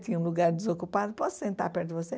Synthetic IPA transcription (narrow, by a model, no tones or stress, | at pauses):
t̪ĩɲũlˠuɡaɾd̪izokupaðʊpɔssẽnt̪a̰ɾpɛɾt̪d̪vose